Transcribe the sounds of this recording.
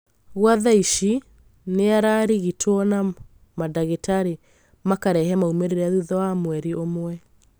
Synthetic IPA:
ɣwaðaiʃi | neaɾaɾiɣitʰwɔna | madaɣetaɾe | makaɾɛhɛmaumeɾeɾɛaðuðɔamwɛɾiomwɛ

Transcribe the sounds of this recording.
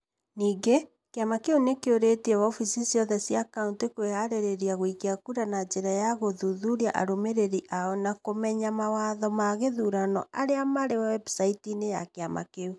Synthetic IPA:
niːɡe | keamakeunekeoɾetiɛwɔfisisjɔðɛsjakauntekwehaɾeɾeɾiaɣoikeakuɾanad͡ʑeɾajaɣoðuðuɾia̰ʔa̰ɾomeɾeɾiʔaɔnakomɛɲamawaðɔmaɣeðuɾanɔ̰ʔaɾeamaɾewawɛbsaitineja̰keama̰keu

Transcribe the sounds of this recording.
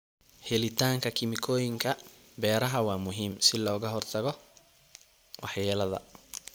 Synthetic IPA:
hɛlɪt̪ʰaːŋkʰɐkʰɪmɪkʰɔːjɪŋkʰɐ | bɛːɾɐɦɐwɑːmʊɦiːmsɪlɔːɣɐɦɔrt̪ʰɐɣɔ | wʔɑħjɛːlɐðɐ̰

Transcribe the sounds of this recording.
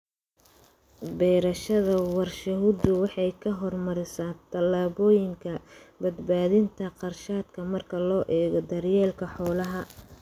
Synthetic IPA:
bɛːɾɐʃɐðɐwɑrʃɐɦud̪ʊwɑħɑjkʰɐɦɔrmɐɾɪsaːnt̪ʰɐlaːβɔːjɪŋkʰɐbɐd̪baːðɪnt̪ʰɐqɑrʃaːd̪kʰɐmɐrkʰɐlɔːʔɛːɣɔd̪ɐrjɛːlkʰɐħɔːlɐɦɐ

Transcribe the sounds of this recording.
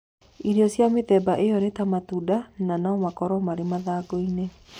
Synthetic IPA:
iɾiɔsiamet̪ɛbaʔeɔnet̪amat̪udananaɔmakɔɾɔmaɾemaðaːɡoine

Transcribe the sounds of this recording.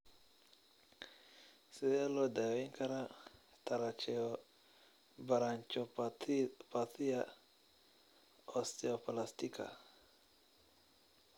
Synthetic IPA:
sɛalɔdaiŋkaɾa | t̪aɾat͡ʃɛɔ | baɾaɲt͡ʃɔ | pat̪ia | ɔst̪ɛɔplast̪ikʰa̰

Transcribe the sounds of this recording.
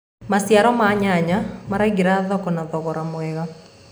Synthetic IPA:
masjaɾɔmaɲaɲamaɾaiɣeɾaðɔkɔnaðɔɣɔɾamwɛɣa

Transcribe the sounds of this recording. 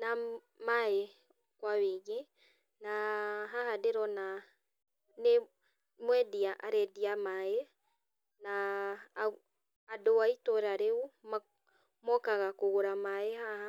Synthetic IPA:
na | mae | kwaweːɣe | naɦaɦadeɾɔna | ne | mwɛdiaʔaɾɛdiamae | na | doaitoɾaɾeuma | mɔkaɣakoɣoɾamaehaha

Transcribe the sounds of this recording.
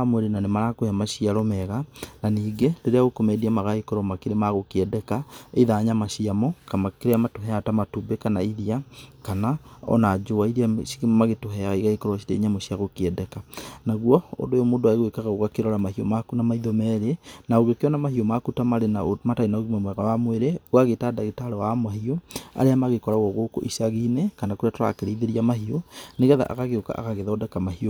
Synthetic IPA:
amwɛɾenanemaɾakoheamaʃiaɾɔmɛɣananiːɡendeɾeaɣokomɛdiamaɣaikoɾɔmakeɾemaɣokeɛdɛkaeðaːɲamaɕiamɔkamakeɾeamatoɦɛatamatubekanaiɾiakanaɔ̰nad͡ʒoaiɾiaʃi̥kemmaɣetoɦɛaɣaiɣaikoɾɔʃiɾḛiɲamɔɕiaɣokeɛdɛkanaɣwɔo̰ndojomoːdoaeɣwekaɣaɣoɣakeɾɔɾamahiomakunamaiðɔmɛːɾenaoɣekeɔnamaɦiomakutamaɾenaomatainaoɣimamwɛɣawamweɾewaɣetadaɣetaɾɔwamahioa̰ɾeamaɣekɔɾaɣɔɣoko̰ʔisaɣiːnekanakoɾatoɾa̰keɾeiðeɾiamaɦioneɣɛða̰ʔa̰ɣaɣeoka̰ʔa̰ɣaɣeðɔdɛkamahio

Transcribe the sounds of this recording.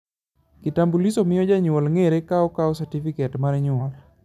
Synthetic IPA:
kitambulisɔmɪɔd͡ʒaɲʊɔlŋeɾekaɔkaɔsatifikɛtmaɾɛɲʊɔl

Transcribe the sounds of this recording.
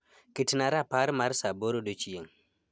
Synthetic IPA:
kitnaɾapaɾmaɾsaboɾodot͡ʃieŋ

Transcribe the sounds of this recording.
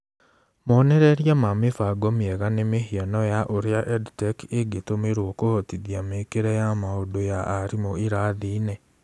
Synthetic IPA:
moneɾeɾjamamefaɡomieɣanemehianɔjaʔoɾjaʔeditekeɡetomeɾwokohotiðjamekeɾejamaodojaːɾimoiɾaðiːne

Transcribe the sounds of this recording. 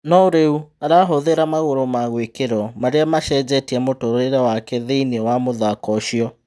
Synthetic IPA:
nɔoɾeuaɾaɦoðeɾamaɣoɾomaɣwekeɾɔmaɾeamaʃɛd͡ʑɛtiamotoɾɾeɾɛwakɛðeinewamoðakɔʃiɔ

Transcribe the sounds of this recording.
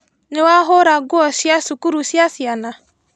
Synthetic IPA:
nɪwaɦʊɾaɡʊɔsiasukuɾusiasiana

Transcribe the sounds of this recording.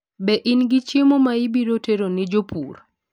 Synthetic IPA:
bɛʔinɡɪt͡ʃemomaibiɾoteɾonɪd͡ʒopʰṵɾ

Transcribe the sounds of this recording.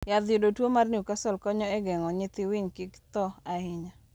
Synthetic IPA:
jad̪jodotwomarniukasɔlkɔɲɔɛɡɛŋɔɲɪt̪ɪwɪɲkɪkt̪ɔaɪɲa

